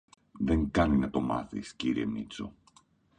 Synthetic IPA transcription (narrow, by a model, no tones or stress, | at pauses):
ðe̞ŋkɐninɐt̪o̞mɐ̰θisciɾiḛmnit͡so̞̰